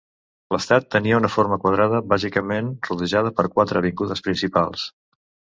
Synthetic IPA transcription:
ləst̪at̪ːəniəunəfoɾməkwəð̞ɾaðəβazikəmenruðəʒað̞əpəɾkwat̪ɾəβ̞iŋɡuðəspɾinsipa̰lˠs

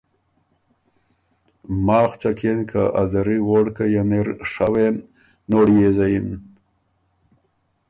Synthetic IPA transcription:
mɑːxt͡sakʰenkʰaʔa̰zaɾiwoɽkajaneɾʂawenː | oɽjezajin

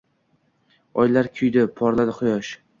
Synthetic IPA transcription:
ɒjlaɾkʲʰʊjd̪ɪpʰɒɾlad̪ɪχʊjɒʃ

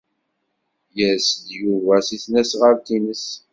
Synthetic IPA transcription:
jæsd̪juvæsiθnæsʁəɾt̪inəs

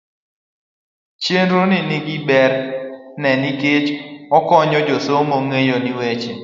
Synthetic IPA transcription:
t͡ʃenɾunɪniɡibɛɾnɛniket͡ʃɔkɔɲɔd͡ʒosomoŋejoniwet͡ʃe

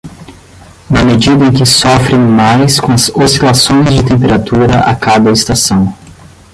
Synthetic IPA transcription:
nɐmed͡ʒid̪ɐẽj̃kɪsɔfɾẽj̃majskõɐzosilasõj̃zd͡ʒɪt̪ẽmpeɾat̪uɾɐ̰ʔa̰kad̪ɐest̪asɐ̃w̃

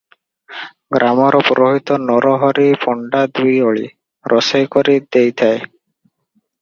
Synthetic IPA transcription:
ɡɾʔamɔɾɔpuɾoɦit̪ɔnɔɾɔɦɔɾipʰɔɳɖad̪ujɔɭḭ | ɾʔɔsejkɔɾid̪ejt̪ʰae

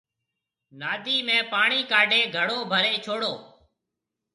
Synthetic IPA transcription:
naːd̪ʱiːmẽːpaːɳiːkaːɖʱeːɡʱəɽoːbʱəɾeːt͡ʃʰoːɽoː

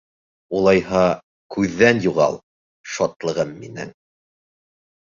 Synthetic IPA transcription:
ulˠɑjhɑ | kʉðːænjuʁɑ̰lˠ | ʃɒt̪lˠɤ̆ʁɤmːinɘ̰ŋ

